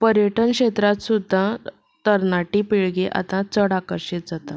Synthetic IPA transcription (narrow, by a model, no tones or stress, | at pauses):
pəɾjəʈənkɕet̪ɾat̪sud̪ʱːa | t̪əɾnaʈipiɭɡeʔa̰t̪ãt͡səɽakəɾɕit̪̚d͡zat̪a